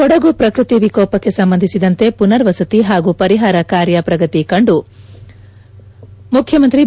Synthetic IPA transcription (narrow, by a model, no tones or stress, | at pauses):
ɔɽɐɡupɾɐkɾut̪iʋikɔːpɐkːe̞sɐmbɐnd̪ʱisid̪ɐnt̪e̞punɐɾʋɐsɐt̪iɦaːɡupɐɾiɦaːɾɐkaːɾjɐpɾɐɡɐt̪ikɐɳɖu | mukʰjɐmɐnt̪ɾi